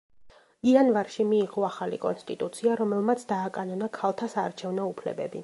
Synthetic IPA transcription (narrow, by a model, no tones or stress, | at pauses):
ianvaɾʃimiːʁɔaχalikʼɔnst̪ʼit̪ʼut̪sʰiaɾɔmɛlˠmat̪sʰd̪aːkʼanɔnakʰalˠt̪ʰasaːɾt͡ʃʰɛvnɔupʰlɛ̰bɛ̰bḭ